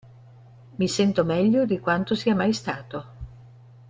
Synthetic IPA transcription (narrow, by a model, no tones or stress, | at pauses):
misɛnt̪omɛʎːod̪ikwant̪osiamajst̪aːt̪o